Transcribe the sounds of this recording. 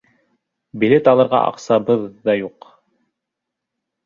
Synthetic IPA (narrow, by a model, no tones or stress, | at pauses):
bilet̪ɑlˠɤ̆ɾʁɑ̰ʔɑ̰qsɑbɤðːɑjuq